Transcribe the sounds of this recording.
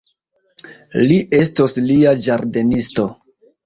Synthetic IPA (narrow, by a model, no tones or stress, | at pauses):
liʔe̞stosliad͡ʒaɾde̞nisto̞